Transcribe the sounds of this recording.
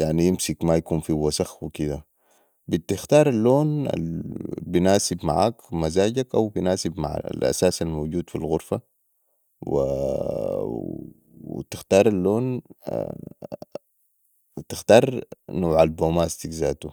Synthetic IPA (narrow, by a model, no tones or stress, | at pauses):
jaʕnijɪmsikmajakuːnfiwasaxwikid̪a | bit̪ɪxt̪ɑːɾˤalːoːna̰binaːsibma̰ʕa̰ːkmazaːɟakʔa̰wbinaːsibma̰ʕa̰lʔa̰saːsalmoːɟuːd̪filɣʊɾfa | wḭ | wḭt̪ɪxt̪ɑːɾˤalːoːn̰ | t̪ɪxt̪ɑːɾˤnoːʕalboːmaːst̪ikzaːt̪u